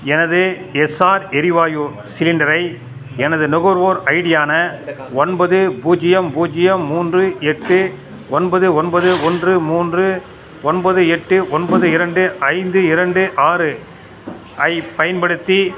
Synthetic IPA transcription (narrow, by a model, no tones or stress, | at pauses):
ɛnɐðɯ | ɛsaːɾɛɾɪʋaːju | sɪlɪnɖɐɾɐɪ | ɛnɐðɯnʊɣɔɾʋoːɾɐɪɽɪjaːnɐɔnbɐðɯbuːd͡ʒɪjɐmbuːd͡ʒɪjɐmːuːndrɯɛʈːɯ | ɔnbɐðɯɔnbɐðɯɔndrɯmuːndrɯ | ɔnbɐðɯɛʈːɯʔɔnbɐðɯɪɾɐɳɖɯʔɐɪnd̪ɯɪɾɐɳɖɯʔaːɾɯ | ɐɪpɐjɐnbɐɽɯt̪ːi